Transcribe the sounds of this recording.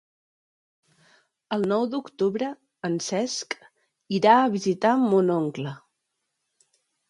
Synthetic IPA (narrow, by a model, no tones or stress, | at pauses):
əlˠnɔwd̪ukt̪uβɾə | ənsɛsk | iɾaəβizit̪amunoŋklə